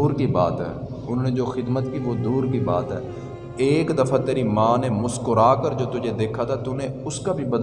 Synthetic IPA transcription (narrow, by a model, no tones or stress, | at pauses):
uːɾkiba̰ːt̪ɦɛ̰ː | ʊn̤ɦoːned͡ʒoːxɪd̪mət̪kiʋoːd̪uːɾkiba̰ːt̪ɦɛ̰ː | eːkd̪əfʰat̪eːɾimãːnemʊskʊɾaːkəɾd͡ʒoːt̪ʊd͡ʒʱed̪eːkʰat̪ʰat̪ʊnẽʊskabʱibəd̪